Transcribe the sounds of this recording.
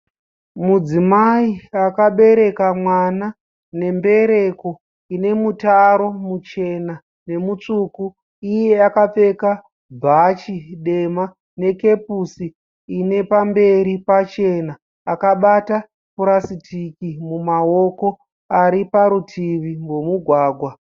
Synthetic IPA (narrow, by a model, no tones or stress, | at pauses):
mud͡zimaiakaɓe̞ɾe̞kamwana | ne̞mbe̞ɾe̞ko̞ | ine̞mutaɾo̞mut͡ʃe̞na | ne̞mut͡ʂuku | ije̞akap͡fe̞ka | bʱat͡ʃiɗe̞ma | ne̞ke̞pusiː | ne̞pambe̞ɾipat͡ʃe̞naː | kaɓata | puɾasitikimumao̞ko̞ | aɾipaɾutʰiʋiŋɡo̞muɡʱwaːɡʱwa